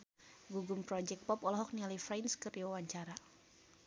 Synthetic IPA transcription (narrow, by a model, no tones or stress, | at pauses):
ɡuɡumpɾɔd͡ʒɛk̚t̚pɔpɔlɔɦɔk̚nialifɾɛjnskɨriwawaɲt͡ʃaɾa